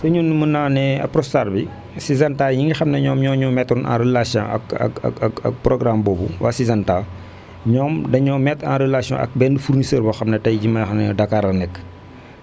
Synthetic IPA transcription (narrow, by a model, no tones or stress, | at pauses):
sɐɲunmənaːnɛɐ̰pːrɔstaːrbi | sizɐntaːjiŋixɐmnɐɲɔːmɲɔːɲɔːmɛtːɔnã̰ːɾəlasjɔ̰̃ɐ̰kɐ̰kɐ̰ɐ̰kɐ̰k̚prɔɡrambɔːbuwasizɐntaː | ɲɔːmdɐɲɔːmɛtã̰ːnɾəlasijɔ̰̃ʔɐ̰k̚bɛndəfurnisəːrbɐxɐmnɐtɐjɟimɐjxɐmnɛdɐkaːɾɐnɛkː